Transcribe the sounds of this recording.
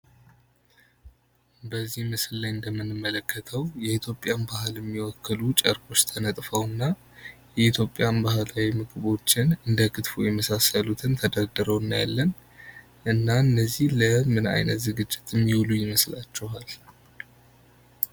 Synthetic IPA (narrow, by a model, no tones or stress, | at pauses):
bəzːihmɨsɨllajɨnd̪əmːɨnɨmːələkːət̪ʰəwjɛit̪ʰjo̞pʼːjanbahɨlɛmːiwɔkːəlut͡ʃʼəɾkʼo̞t͡ʃːt̪ʰənət̪ʼfəwɨnːa | jɛit̪ʰjo̞pʼːjanbaɦɨlawimɨɡɨβo̞t͡ʃːɪnɨnd̪əkʰɨt̪fojɛməsasəlut̪ʰɨnt̪ʰəd̪ad̪əɾəwɨnːaja̰lːən | ʔɨnːaɨnːəzːihləmɨna̰jnət̪zɨɡɨd͡ʒːɪt̪ʰjɛmːiwlujɪməslat͡ʃːɛɦal